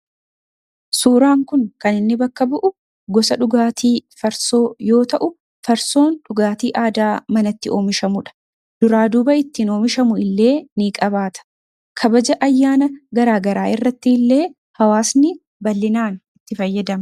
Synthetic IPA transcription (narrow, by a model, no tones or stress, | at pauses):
suːɾaːŋkʊŋkɐnɪnːɪbɐkːɐbʊʔʊ | ɡɔsɐᶑʊɡaːt̪ʰiːfɐɾso̞ːjo̞ːt̪ɐʔʊ | fɐɾso̞ːnᶑʊɡaːt̪iːʔaːd̪aːmɐnɐt̪ːɪo̞ːmɪʃɐmʊᶑɐ̥ | d̪̥ʊɾaːd̪uːbɐɪt̪ːiːno̞ːmɪʃɐmʊɪlːe̞ːniːkʼɐβaːt̪ɐ̥ | kʰɐbɐd͡ʒɐʔɐjːaːnɐɡɐɾaːɡɐɾaːɪrːɐt̪ːɪɪlːe̞ː | hɐwaːsnɪ | bɐlːɪnaːnɪt̪ːɪfɐjːɐd̪ɐm